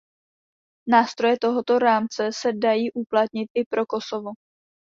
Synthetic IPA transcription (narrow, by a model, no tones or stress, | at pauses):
naːst̪ɾo̞jɛt̪o̞ɦo̞t̪o̞ɾaːmt͡sɛsɛdajiːʔuplat̪̚ɲɪt̪ʔɪpɾo̞ko̞so̞vo̞